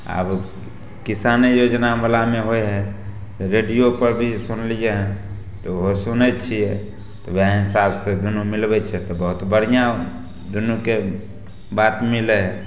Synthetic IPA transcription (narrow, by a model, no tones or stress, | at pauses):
a̰b | kɪsaːnejoːd͡ʒnaməlameɦoeɦɛ̃ | ɾeɖijopəɾbʱisʊnlieɦɛ̃ | t̪oɦosʊnɛt͡ʃʰiɛ | t̪ɔʋeaɦɪsabsed̪ʊnumɪlbɛt͡ʃʰɛt̪ɔbəɦʊt̪bəɽ̤ijã | d̪ʊnuke | baːt̪mɪleɦɛ